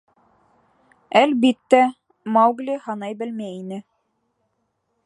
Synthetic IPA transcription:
ælbit̪ːæ | mɑwɡlʲihɑnɑjbɘ̆lmæinɘ

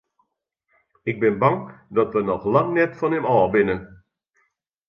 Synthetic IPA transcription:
ɪɡ̚bɪnbɑŋdɔtʋənɔχlaŋnɛtfɔnɛmɔːbɪnə

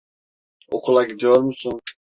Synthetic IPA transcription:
okʰulˠaɡid̪ijo̞ɾmusun

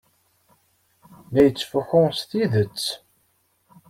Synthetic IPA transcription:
næjət͡sːfəxʊsθiðət͡sː

